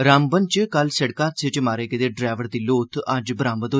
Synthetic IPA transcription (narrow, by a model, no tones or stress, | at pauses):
ɾãːmbənt͡ʃkəlsəɽkãːsʰet͡ʃmaːɾeːkəd̪eɖɾaːʋəɾd̪iːloːt̪ʰɐd͡ʒbəɾãːmbəd̪oː